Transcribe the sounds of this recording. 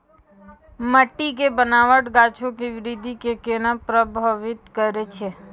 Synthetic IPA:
məʈːik̬ebənaːʋəʈɡaːt͡ʃʰõkiʋɪɾɪd̪ʱikekenapɾəbʱəʋɪt̪kəɾet͡ʃʰe

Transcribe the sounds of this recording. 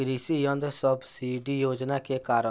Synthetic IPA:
ɡɾisijɔ̃nd̪sɔbsiɖijoːd͡ʒnakekaːɾə

